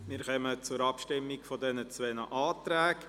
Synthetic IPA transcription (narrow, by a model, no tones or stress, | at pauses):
mɪːɾχœmət͡sʊɾɑpʃtɪmːɪɡfɔdɛnət͡sʋɛnəʔɑːt̪ɾæːk